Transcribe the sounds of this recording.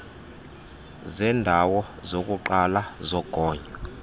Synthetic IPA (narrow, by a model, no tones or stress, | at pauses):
zɛndʱawɔzokʼuǃalazɔɡ̥ʱɔːɲa